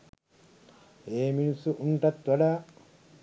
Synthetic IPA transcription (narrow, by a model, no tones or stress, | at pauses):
eːminusːuʔuɳʈɐt̪ʋɐɖɐ